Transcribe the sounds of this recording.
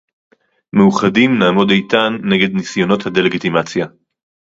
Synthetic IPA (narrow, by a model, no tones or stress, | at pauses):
meuχadimnaːmo̞dejt̪anːeɡe̞d̪nisjo̞no̞t̪had̪e̞leɡit̪imat͡sja